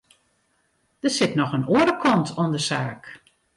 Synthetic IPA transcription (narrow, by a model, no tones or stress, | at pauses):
d̥əsɪtnɔxənoəɾəkʰɔntʰondəsaːk